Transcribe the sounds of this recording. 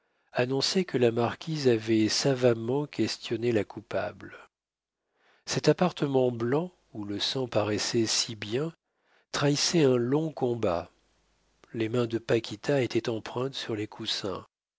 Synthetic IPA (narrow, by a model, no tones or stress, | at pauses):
anɔ̃sɛkəlamaʁkʲizavɛsavamɑ̃kʲɛst̪jɔnelakʰupa̰bl | sɛt̪apaʁt̪əmɑ̃blɑ̃ | uləsɑ̃paʁɛsɛsibjɛ̃ | t̪χaisɛɛ̃lɔ̃kɔ̃ba | lemɛ̃d̪əpakʲit̪aet̪ʰɛt̪ɑ̃pχɛ̃t̪syʁlekʰusɛ̰̃